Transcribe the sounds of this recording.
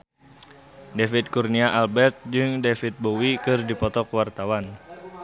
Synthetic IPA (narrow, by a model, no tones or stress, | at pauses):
defit̪̚kurniaʔalbɛrt̪̚d͡ʒɨŋdefit̪̚bowikɨrdipɔt̪ɔkwart̪awan